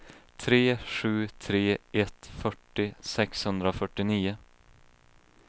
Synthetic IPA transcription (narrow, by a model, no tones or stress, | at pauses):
t̪ʰɾeːɧʉ̟ːt̪ʰɾeːʔɛt̪fœʈːɪsɛkshɵnd̪ɾaɔfœʈːɪniːʊ